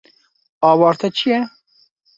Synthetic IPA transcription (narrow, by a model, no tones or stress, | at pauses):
ɑːwɑːɾt̪ʰɛt͡ʃʰijɛ